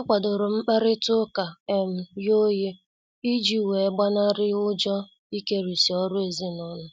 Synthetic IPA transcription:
a˦kʷa˨dʊ˨ɾʊ˨ŋ͡m̩˦k͡pa˦ɾɪ˦tʊ˦ka˨e˨m̩˦jo˦je˦ | i˦d͡ʒi˦˨we˨˦ɡ͡ba˦na˦ɾɪ˦ʊ˦d͡ʒɔ˦ | i˦ke˦ɾu˨si˨ɔ˦ɾʊ˦e˨zi˦nɔ˦nʊ˦

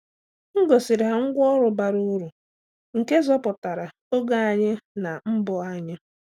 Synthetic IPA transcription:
ŋ̩˦ɡo˨sɪ˨ɾi˨ɦa˨ŋ̩˦ɡʷɔ˦ɾʊ˨ba˨ɾu˦ɾu˨ | ŋ̩˨ke˦zɔ˦pʊ˨ta˨ɾa˨ | o˦ɡa˦a˨ɲɪ˦na˨m̩˦bʊ˨a˦ɲɪ˦

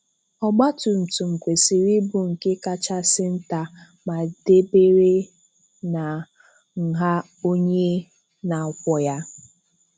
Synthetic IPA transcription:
ɔ˦ɡ͡ba˦tʊ˨n̩˨tu˨ŋ͡m̩˨kʷe˨si˨ɾi˦bʊ˨ŋ̩˨ke˦ka˦t͡ʃa˦sɪ˦n̩˦ta˨ | ma˨de˦be˦ɾe˦ | na˨ | ŋ̩˨ɦa˦ | o˦ɲe˦ | na˨kʷɔ˨ja˦

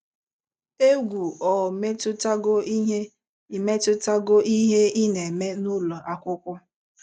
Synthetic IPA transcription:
e˦ɡʷu˨ɔ˨me˦tʊ˦ta˦ɡo˦i˦ɦe˦ | i˨me˦tʊ˦ta˦ɡo˦ʔi˦ɦe˦i˦ne˨me˦nu˦lo˨ʔa˨kʷʊ˦kʷʊ˦

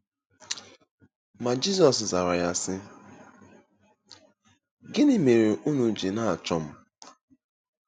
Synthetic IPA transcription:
ma˨d͡ʒi˦sɔ˨sza˨ɾa˨ja˦sɪ˦ | ɡɪ˦nɪ˦me˨ɾe˨ʔu˦nu˨d͡ʒe˨na˦a˨t͡ʃɔ˨m̩˦

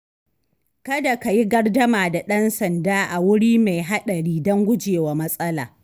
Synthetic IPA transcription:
kɐ˦da˨ka˨ji˦ɡɐ˦rdɐ˦maː˨da˨ɗɐ˦nsɐ˨ndaː˦ʔa˨wʊ˦ɽiː˦ma˨jɦa˦ɗɐ˨ɽiː˦dɔ˦ŋɡʷʊ˦d͡ʒeː˨wa˨mɐ˦sʼɐ˦la̰ː˨

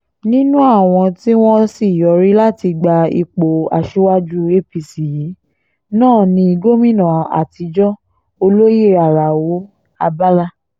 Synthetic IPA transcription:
nĩ˦nũ˦a˦˨w̃ɔ̃˧ti˦w̃ɔ̃˦si˦˨jɔ˨˦ɾi˦la˦ti˧ɡ͡ba˧ḭ˧k͡po˨a̰˨˧ʃu˦wa˦d͡ʒu˦e˦pi˧˨si˨ji˨˦ | nãː˦˨nĩ˧i˧ɡo˦mĩ˦˨nã˨a̰˨ti˨˧˦d͡ʒɔ˦ | o˧lo˦ji˦˨a˨ɾa˨wo˨˦ | a˧ba˦la˦

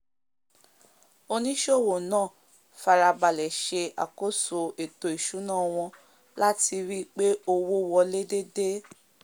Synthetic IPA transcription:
o˧nĩ˦ʃo˦˨wo˨nãː˦˨ | fa˧ɾa˧ɡ͡ba˨lɛ˨ʃe˧a̰˨ko˦so˧˨e˨to˨i˨ʃu˨˦nãː˦˨w̃ɔ̃˧ | la˦ti˧ɾi˦k͡pe˦o˧wo˦wɔ˧le˦de˦de˦

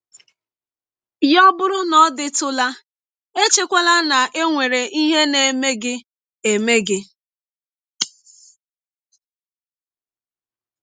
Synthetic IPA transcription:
jɔ˦bʊ˦ɾʊ˦nɔ˦dɪ˦tʊ˦la˦ | e˦t͡ʃe˦kʷa˦la˦na˨ʔe˦ŋʷe˨ɾe˨ʔi˦ɦe˦ne˨me˦ɡɪ˦ | e˨me˦ɡɪ˦

